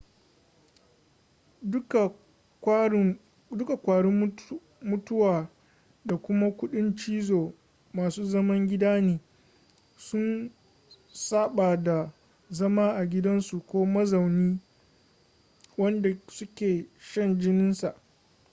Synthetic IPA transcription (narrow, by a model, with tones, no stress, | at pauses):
ka˨˦ | dʊ˦ka˨kʷaː˨ɽɪ˦ | mʊ˦tʊ˦waː˨ | da˨kʷʊ˦ma˦kʷʊ˦ɗɪ˦nt͡ʃiː˦zoː˨ | maː˨suː˦zɐ˦mɐ˦ŋɡʲɪ˦daː˦neː˨ | sʊ˦n | saː˦ɓaː˨da˨ | zɐ˦maː˦ʔa˨ɡʲɪ˦dɐ˦nsu˨kʷoː˦mɐ˦za˨wniː˦ | wɐ˦nda˨sʊ˦kʲeː˨ʃɐ˦˨nd͡ʒɪ˦nɪ˦nsa˨ʔ